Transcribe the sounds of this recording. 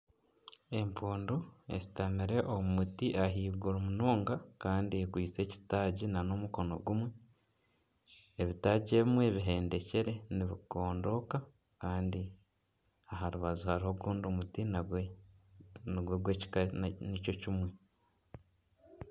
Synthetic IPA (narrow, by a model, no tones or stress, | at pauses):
e̞mpuːnduḛsi̥tamiɾe̞ʔomumutiʔaɦiːɡuɾomunoːŋɡakaːndiekwiːt͡se̞ːci̥taːɟinano̞muko̞no̞̰ɡumwe̞ | eβitaɟe̞ːβimwe̞βiɦe̞ːnde̞ce̞ɾe̞niβiko̞ːndo̞ka | kaːndi | aɦaɾuβazuhaɾiho̞ɡuːndumuti | niɡweɡwecnico̞cimwe̞